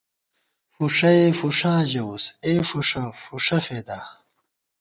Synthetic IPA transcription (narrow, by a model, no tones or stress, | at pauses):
fuʂɐefuʂãːʑɐuseːfuʂɐfuʂɐfeːd̪aː